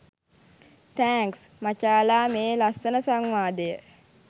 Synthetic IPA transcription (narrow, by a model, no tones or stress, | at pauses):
t̪æːŋks | mat͡ʃaːlaːmeːlasːənəsaŋʋaːd̪əjə